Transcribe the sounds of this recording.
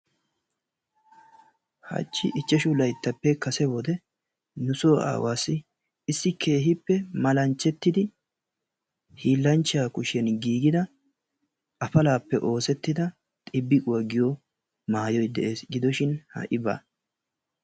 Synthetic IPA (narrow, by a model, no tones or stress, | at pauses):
hɐ̰t͡ʃːɪʔɪt͡ʃːɛʃʊlɐjt̪ːɐpːɛkɐsɛbɔd̪ɛ | nʊsoːa̰ːwaːsɪː | sːɪkʰe̞ːɦɪpːɛmɐlɐnt͡ʃːɛt̪ːɪd̪ɪ | hiːlːɐnt͡ʃːɪaːkʊʃɛnɡiːɡɪd̪ɐ | ɐfɐlaːpːɛʔo̞ːsɛt̪ːɪd̪ɐ | t̪ʼɪbːɪkʼʊwɐɡɪjɔ | maːjɔjd̪ɛʔe̞ːsɡɪd̪ɔʃɪnhɐ̰ʔɪba̰ː